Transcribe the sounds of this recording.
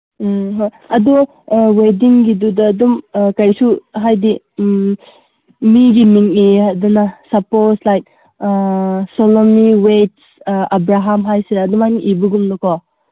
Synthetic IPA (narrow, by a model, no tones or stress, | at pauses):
ɦoj | ɐdo | wediŋɡidudɐːdumkɐjsuɦajdi | miɡimiŋnihadanasɐposlajk̚ | solomiwet̚ | abɾaɦamɦajsiɾɐdumaniʔibuɡumnɔkɔ